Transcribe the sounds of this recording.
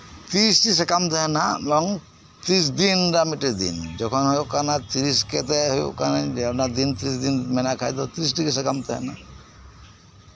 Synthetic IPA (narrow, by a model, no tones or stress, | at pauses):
t̪isʈisɛkamt̪ɛɦɛnabɔŋ | t̪ɾis̬d̪inɾamiʈed̪ḭnd͡ʒɔkʰɔnɦojokanat̪iɾiskɛt̪ɛɦojṵkanaɲd͡ʒapnad̪int̪ɾisd̪inmɛnakʰajd̪ɔt̪iɾis̬ʈikesɛkamt̪ʰɛɦɛ̰na